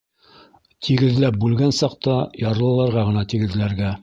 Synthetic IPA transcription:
t̪ʰiɡɘ̆ðlæp̚bʉlɡænsɑq̚t̪ɑjɑɾɤ̆lˠɤ̆lˠɑɾʁɑʁɤ̆nɑt̪iɡɘ̆ðlæɾɡæ

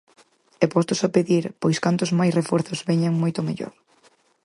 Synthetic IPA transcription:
ɛpɔst̪ʊsapeðiɾpɔjskant̪ʊzmajsrefɔɾθʊzβɛɲaŋmojt̪ʊmeʎo̰ɾ

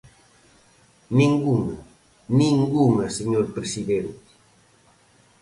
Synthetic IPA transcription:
nĩŋɡuŋa | nĩŋɡuŋaseɲoɾpɾesiðeɾʊ

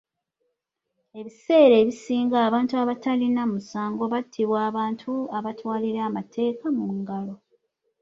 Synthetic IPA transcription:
e̞βise̞ːɾe̞ːβisiːŋɡaːβaːntuaβatalinamusaːŋɡo̞βatʰːiβwaːβaːntʰuaβatwaːliɾamatʰe̞ːkamuŋɡalo̞

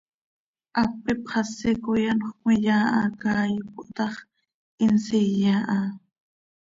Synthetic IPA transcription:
ʔapɪpχɑsɪkʊjanχmɪʎaːʔakaːjk̚ʊʔt̪ɑχ | ɪnsɪjaːʔa

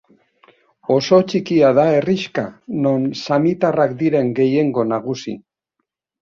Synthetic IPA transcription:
o̞so̞t͡ʃikiaðae̞riʃka̰no̞nsamit̪arakd̪iɾe̞ŋɡe̞je̞ŋɡo̞naɣ̞usḭ

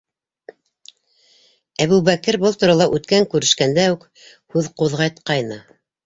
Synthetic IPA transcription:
æβʉβækɘɾbɤlˠt̪uɾɑlˠɑʔʉt̪kæŋkʉɾɘ̆ʃkænd̪æʉk | hʉðquðʁɑjt̪qɑjnɤ

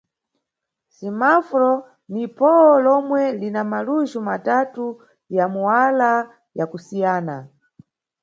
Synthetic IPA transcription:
simafɾɔ | nipɔɔlɔmwɛlinamaluʒumatatu | jamuwala | jakusijaːna

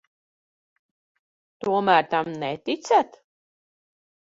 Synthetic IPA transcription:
t̪uɔmæːɾt̪amnɛt̪it̪sʲæt̪

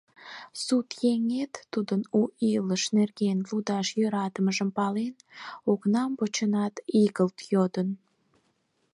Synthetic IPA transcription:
sut̪jeŋet̪ːud̪ənuiləʃnerɣenlud̪ɑʃjøɾɑt̪əməʒəmpɑlenoknɑmpot͡ɕənɑt̪iɣəlt̪jod̪ən

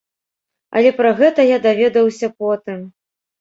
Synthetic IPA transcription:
ɐ̰lʲɛpɾɐɣɛt̪ɐjad̪avʲɛd̪ɐwsʲɐpɔt̪ɨm

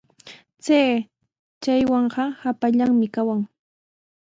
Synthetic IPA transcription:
t͡seː | t͡ʃajwɑɴɢɑhapaʎaŋmɪkawaŋ

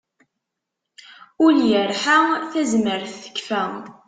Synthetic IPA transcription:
ʊljəɾħaθæzməɾθə̥kːfæ

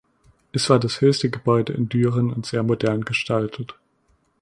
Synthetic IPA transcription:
ʔɛsv̥aːɐdashøːçstəɡəbɔʏdəʔɪ̰ndyːʁənʊntz̥eːɐmodɛɐnɡəʃtʰaltʰət

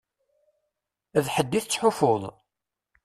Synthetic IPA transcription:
ðħəd̪ːiθt͡sːħʊfoðˤ

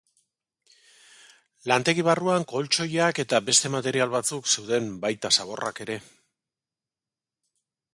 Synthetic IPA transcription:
lant̪e̞ɣiβ̞aruaŋko̞lt͡ʃo̞jake̞t̪abe̞st̪e̞mat̪e̞ɾialβat͡sukse̞wðe̞mbajt̪asaβ̞o̞ra̰ke̞ɾe̞

